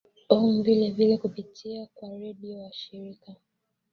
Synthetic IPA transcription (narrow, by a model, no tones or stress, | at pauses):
ɔŋ̩vilɛvilɛkupitʰiakwaɾɛɓiɔwaʃiɾika